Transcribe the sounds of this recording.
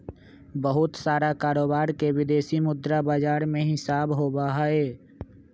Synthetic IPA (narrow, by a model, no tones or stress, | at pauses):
bəɦʊt̪saːɾakaːɾoːbaːɾkewɪd̪eːsimʊd̪ɾabaːd͡ʒaːɾmẽɦɪsaːbɦoːbaɦaeː